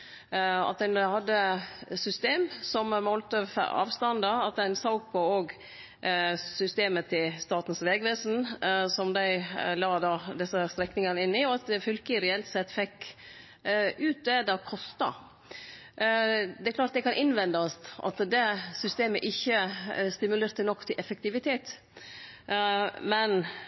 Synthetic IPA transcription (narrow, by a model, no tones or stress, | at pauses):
ɑ̰t̪̚d̪ɛænhɑd̪ːəsʏst̪eːmsɔmmɔlt̪əfɑ̰ːʋst̪ɑnd̪əɑt̪̚d̪æɪnsoʊk̚pʰɔoːɡ | sʏst̪eːmət̪ʰɪlst̪ɑːt̪n̩sʋɛːɡʋeːsn̩sɔmd̪æɪlɑːd̪ɑːd̪ɪsəst̪ɾɛknɪŋɑnəɪnːɪɔɑt̪ɛfʏlkəɾɛɛlt̪sɛt̪ːfɛkː | ʉːt̪̚d̪ɛd̪ɑːkʰɔst̪ɑ̰ | d̪ɛklɑːʈ̪̚d̪ɛkʰɑnʔɪnʋɛnd̪ɑsʔɑ̰t̪d̪ɛsʏst̪eːməʔɪçːəst̪ɪmʉleːɾt̪ənɔkːt̪ʰɪlʔɛfək̚t̪ɪʋɪt̪ʰeːt̪ | mɛn